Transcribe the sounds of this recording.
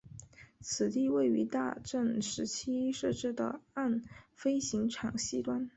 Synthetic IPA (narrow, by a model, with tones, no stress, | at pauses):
t͡sʰɹ̩˨˩t̪i˥˧we˥˩ɪy̰˧˥t̪a̰˥˧ʈ͡ʂə˥˩nʂɻ̩˧˥t͡ɕʰi˥ʂɤ˥˧ʈ͡ʂɻ̩˥˩d̪ə̰˩a˥˩nfe˥ɪɕi˧˥ŋʈ͡ʂʰɑ˨˩ŋɕi˥t̪wa˥˩n